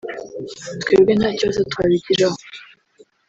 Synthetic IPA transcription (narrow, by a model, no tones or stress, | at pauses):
t̪kweːbɡenhaːcozatwaːβiɟiɾaho